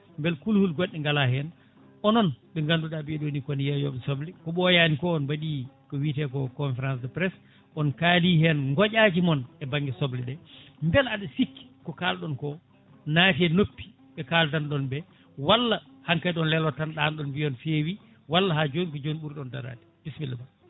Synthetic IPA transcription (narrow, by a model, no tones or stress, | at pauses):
mbɛlkulhulɡɔɗːɛŋɡalahɛn | ʔɔnɔnɓɛŋɡanduɗabiɛɗonikɔnjajɔ̰ɓɛsoblɛkɔɓɔjaːnikɔɔnbaɗi | kɔwitɛkɔkɔnfɛɾansdɛpɾɛs | ʔɔnkaːlihɛnŋɡɔɟaːd͡ʒimɔnɛbaŋɡɛsɔblɛɗɛmbɛlaɗɛsikːi̥kɔkalɗɔnkɔ | natiɛnopːi̥ | ɓɛkaːltanɗɔnbɛ | walːa | haŋkajɗɔnlɛlɔtanɗanɗɔnbiɔnfewi | walːahaːd͡ʒonikɔd͡ʒoniɓuɾɗɛɔnda̰ɾa̰ːti̥b̥ismilːɛba